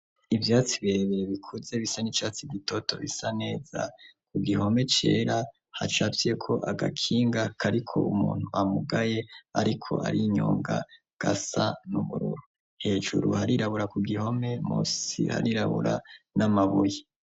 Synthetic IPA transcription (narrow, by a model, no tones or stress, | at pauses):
ivjaːt͡siβeβeeβikʰuze̞βisanit͡ʃat͡siɡitʰoto̞βḭsane̞ːz̥a̰kʰuɡiɦo̞me̞t͡ʃe̞̰ːɾa | hat͡ʃafije̞kʰo̞ʔaɡa̰kʰiːŋɡakʰaɾikʰo̞̰umuːn̥huʔamuɡajeaɾikʰo̞̰a̰ɾiɲo̰ːŋɡa̰ | ɡ̥asanuβuɾṵɾu | he̞ːʒṵɾuhaɾiɾaβuɾakuɡiɦo̞me̞mṵsḭha̰ɾiɾaβṵɾa̰namaβuje